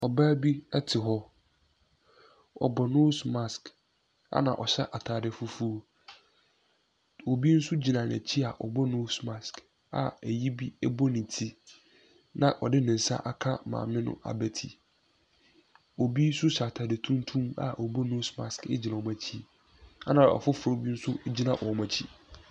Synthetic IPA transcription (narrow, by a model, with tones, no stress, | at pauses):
ɔ˨baː˦bi˦ɛ˦tʰɪ˨ɦɔ˦ | ɔ̰˨bɔ˨nõ˦smã˦sk | a̰˦nã̰˨ʔɔ˨ɕɛ˦ʔa˨tʰaː˨dɪ˨fu˦fu˦o˦ | o˨bi˦n̩˦sʊ˦d͡ʑi˨nã˨n˨æ̰˨t͡ɕʰi˦a˨ʔɔ̰˨bɔ˦nõ˦smã˨sk | a̰˨æ˨ji˦bi˦ɛ˦bɔ˦nĩ˨tʰi˦ | nã˨ʔɔ˨dɪ˦nɪ̃˨n̩˨sã̰˦ʔa˦kʰa˦mã̰ː˨mɪ̃˦nʊ̰̃˦a̰˨bɛ˨tʰḭ˨ | o˨bi˦sʊ˦sa˨tʰaː˨dɪ˨tʰũ˦n˦tʰũ˦ma̰˨ʔɔ˨bɔ˦no˦sma˨skɪ˦d͡ʑi˨nã˨ɔ˨mã˨t͡ɕʰi˦˨ | a˦nã˨ɔ̰˨fʊ˦fʊ˨ɾo˨bi˦n̩˦sʊ˦d͡ʑi˦nã˨ʔɔ˨mã˨t͡ɕʰi˦